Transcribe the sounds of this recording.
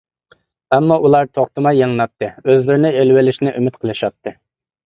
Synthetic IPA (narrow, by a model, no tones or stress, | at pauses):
ɛmːɑʔulˠɑɾt̪ʰoχt̪ɨmɑjːɑŋnɑt̪ʰːɨøzlɪɾɪnɪelwɪlɪʃnɪʔymɪt̪qʰəlˠɨʃɑt̪ʰːɨ